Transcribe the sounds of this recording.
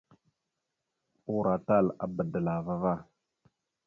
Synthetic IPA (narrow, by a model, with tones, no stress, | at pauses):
u˦ɾa˨ta˦˨la̰˨bə˨də˨la˨va˦va˦˨